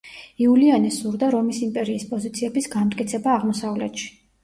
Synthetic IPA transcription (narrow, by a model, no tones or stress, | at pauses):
iulianɛsuɾd̪aɾɔmisimpʼɛɾiːspʼɔzit̪sʰiɛbisɡamt̪ʼkʼit̪sʰɛbaːʁmɔsavlɛ̰t̪ʃi̥